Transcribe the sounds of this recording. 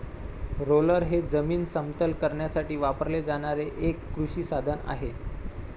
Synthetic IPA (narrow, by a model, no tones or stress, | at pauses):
ɾoləɾɦed͡zəmiːnsəmt̪əlkəɾɳjasaʈiːʋapəɾled͡zaɽ̃aɾeʔekːɾuɕiːsad̪ʱəna̰ɦe